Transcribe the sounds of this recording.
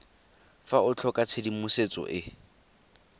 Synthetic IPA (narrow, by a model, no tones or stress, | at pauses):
faʊt͡ɬʰɔkʼat͡sʰedimʊset͡sʼɔ̰ʔɪ